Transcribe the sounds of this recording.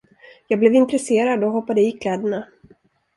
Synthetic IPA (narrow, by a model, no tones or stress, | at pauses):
jɑːɡblɛːvɪnt̪ɾɛseːɾad̪ɔɦɔpːad̪əɪkʰlɛːd̪əɳa